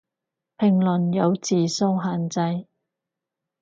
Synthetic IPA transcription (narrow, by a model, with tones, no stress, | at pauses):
pʰɪ˨˩ŋlɵ˨˩njɐ˨˧wt͡siː˨so˥wɦaː˨nt͡sɐ˧j